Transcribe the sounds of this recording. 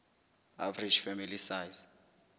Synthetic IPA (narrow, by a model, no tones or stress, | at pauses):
a̰vri̥d͡ʒfɛmilisaːjz